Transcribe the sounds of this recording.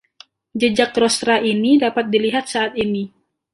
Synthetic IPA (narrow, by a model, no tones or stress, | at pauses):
d͡ʒəd͡ʒakːɾost̪ɾaʔinidapat̪̚diliɦat̪̚saʔat̪ini